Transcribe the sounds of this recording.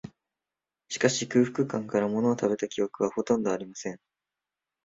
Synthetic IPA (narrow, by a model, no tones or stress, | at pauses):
ɕi̥kaɕikɯ̟ːɸɯ̟̥kɯ̟kãŋkaɾamo̞no̞ːt̪abe̞t̪akʲijo̞kɯ̟βaho̞t̪õ̞nd̪o̞aɾʲimasẽ̞ŋ